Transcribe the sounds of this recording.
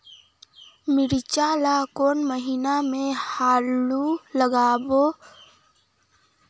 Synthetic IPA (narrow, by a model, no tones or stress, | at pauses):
mɪɾt͡ʃaːlakoːnməɦiːnamẽhaːluləɡaːboː